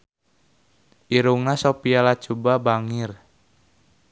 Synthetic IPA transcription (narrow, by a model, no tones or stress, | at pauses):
ʔiɾuŋnasopialat͡ʃubabaŋir